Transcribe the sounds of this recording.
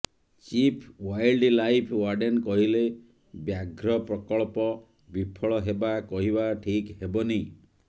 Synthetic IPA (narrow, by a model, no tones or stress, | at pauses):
t͡ʃipʰwajlɖlajpʰwaɾɖenkɔɦile | bjaɡɾɔpɾɔkɔɭpɔ | bipʰɔɭɔɦebakɔɦibaʈʰikhebɔni